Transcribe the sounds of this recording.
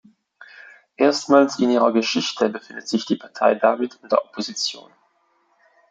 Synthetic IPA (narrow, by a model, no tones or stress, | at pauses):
ʔeːɐstmaːlsɪniːʁ̞ɐɡəʃɪçtʰəbəfɪndətz̥ɪçd̥iːpʰaɐtʰa̰ɪdamɪtʰʊnd̥eɐʔopʰozit͡sjo̰ːn